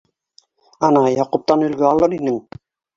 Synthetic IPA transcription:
ɑnɑjɑqup̚t̪ɑnɵ̆lɡøɑlˠɤɾinɘm

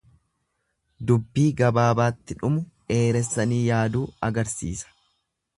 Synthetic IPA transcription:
d̪ʊbːiːɡɐbaːbaːt̪ːɪᶑʊmʊʔe̞ːɾɛsːɐniːjaːd̪uːɐɡɐɾsḭːsɐ̥

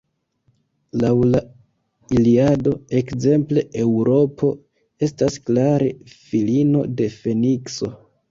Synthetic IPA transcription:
lawla | iliado̞e̞kze̞mple̞ʔewɾʔo̞pʰo̞ | e̞stasklaɾe̞̰filino̞̰de̞fe̞nikso̞

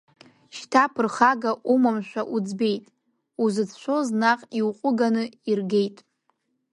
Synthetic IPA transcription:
ʃtʰapʰɨrχaɡaʔumamʃʷᶣaʔud͡zbe̞jtʼ | uzɨt͡sʰʃʷʰo̞znaqʼiwqʷʼʊɡanɨirɡe̞jtʼ

